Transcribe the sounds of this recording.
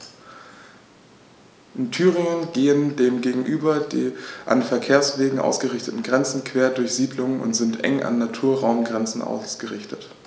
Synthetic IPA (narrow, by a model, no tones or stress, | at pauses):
ʔɪntʰyːʁɪŋənɡeːəndeːmɡeːɡŋ̩ʔyːbɐdeːʔa̰nfɛɐkʰeːɐsv̥eːɡŋ̩ʔa̰ʊsɡ̥əʁɪçtətn̩ɡʁɛnt͡sn̩kv̥eːɐdʊɐçz̥iːdlʊŋənʊ̰ntz̥ɪntʔɛ̰ŋʔa̰nːatʰuːɐʁaʊmɡʁɛnt͡sn̩ʔa̰ʊsɡ̥əʁɪçtət